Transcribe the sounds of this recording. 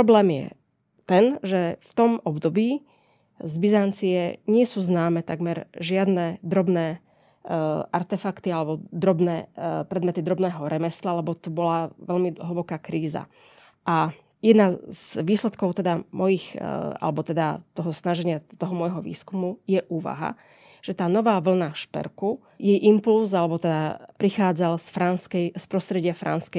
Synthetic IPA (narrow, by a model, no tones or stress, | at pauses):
pɾɔblɛːmjɛ̰ | t̪ɛnʒɛft̪ɔmɔbd̪ɔbiː | zbizant͡siɛɲɪɛsuːznaːmɛt̪aɡmɛɾʒɪad̪nɛd̪ɾɔbnɛː | ʔaɾt̪ɛfakt̪ialɛbɔd̪ɾɔbnɛːpɾɛd̪mɛt̪id̪ɾɔbnɛːɦɔɾɛmɛslalɛbɔt̪ubɔlaʋɛlmiɦl̩bɔkaːkɾiːza̰ | ʔa | jɛd̪nazʋiːslɛt̪kɔʊt̪ɛd̪amɔjixa̰lɛbɔt̪ɛd̪a̰t̪ɔɦɔsnaʒɛɲɪat̪ɔɦɔmɔjɦɔʋḭːskumujɛʔuːʋa̰ɦa̰ | ʒ̥ɛt̪aːnɔʋaːʋl̩naʃpɛ̰ɾku | jɛjʔimpulzalɛbɔt̪ɛd̪apɾixaːd͡zalsfɾanskɛspɾɔst̪ɾɛɟɪafɾa̰nskɛ